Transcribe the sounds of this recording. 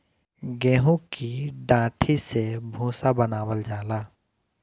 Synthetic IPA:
ɡɛ̃ːɦũkiɖãːʈʰisebʱũːsabənaːwəld͡ʒaːlaː

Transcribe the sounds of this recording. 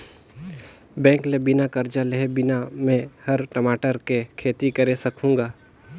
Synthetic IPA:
bɛ̃ːŋklebɪnakɐɾd͡ʒaleɦebɪnamẽhɐɾʈɐmaːʈəɾkekʰeːt̪ikɐɾesɐkʰũːɡaː

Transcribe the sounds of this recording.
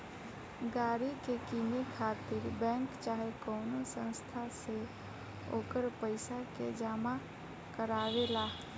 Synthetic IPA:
ɡaːɾikekiːmekʰaːt̪ɪɾbɛ̃ːŋkt͡ʃaːɦekɔːnosə̃nst̪ʰase | oːkəɾpəɪsaked͡ʒaːma | kəɾaːʋelaː

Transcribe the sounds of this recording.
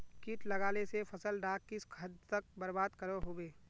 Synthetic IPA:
kiːʈlɐɡaːlesefʰɐsəlɖaːkːiskʰɐd̪t̪ɐk̚bɐɾbaːd̪kɐɾoɦoʋeː

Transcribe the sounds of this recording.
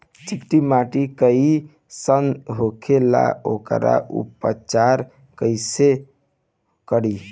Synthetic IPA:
t͡ʃikʈimaʈikəi | sənɦokʰela̰okəɾa̰ʔṵpət͡ʃaɾ | kəɪse | kəɽi

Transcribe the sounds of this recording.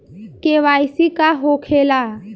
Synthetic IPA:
keʋaːjsikaɦokʰela

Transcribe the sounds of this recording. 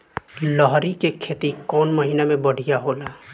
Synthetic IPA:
lɔɦɾikekʰeːt̪ikɔːnməɦiːnamẽbɐɽ̤ijaɦoːlaː

